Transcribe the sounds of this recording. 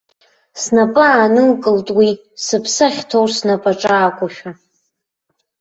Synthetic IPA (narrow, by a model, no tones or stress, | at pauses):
snapʼɨaːnɨlkʼɨltʼwi | sɨpʰsaχʲtʰowrsnapʼaʈ͡ʂʼaːkʷʼʊʃᶣa